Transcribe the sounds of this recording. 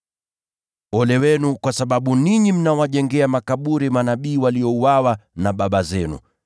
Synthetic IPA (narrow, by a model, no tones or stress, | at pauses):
ɔlɛwɛnukwasaɓaɓuniɲim̩nawaʄɛŋɡɛamakaɓuɾimanaɓiːwaliɔuwawanaɓaɓazɛnṵ